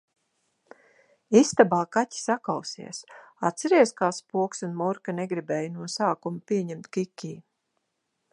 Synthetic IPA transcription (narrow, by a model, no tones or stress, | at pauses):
ist̪abaːkatʲi̥sakawsḭɛsat̪sɛɾiɛskaːspuɔksunmuɾkaneɡɾibɛːjnuɔsaːkumapiɛɲɛmt̪kikʲːiː